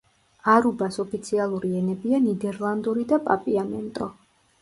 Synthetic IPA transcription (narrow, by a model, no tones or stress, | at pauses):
aɾubasɔpʰit̪sʰialˠuɾiɛnɛbianid̪ɛɾlˠand̪uɾid̪apʼapʼiamɛ̰nt̪ʼɔ